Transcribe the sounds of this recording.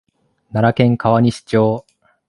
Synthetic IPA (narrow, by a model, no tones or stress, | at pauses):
naɾakẽ̞ŋkaβaɲ̟iɕi̥t͡ɕo̞ː